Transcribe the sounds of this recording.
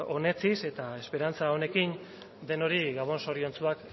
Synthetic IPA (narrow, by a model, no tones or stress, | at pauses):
o̞ne̞t͡sise̞t̪ae̞spe̞ɾant͡saone̞kin | d̪e̞no̞ɾiɣaβ̞o̞nso̞ɾio̞nt͡suak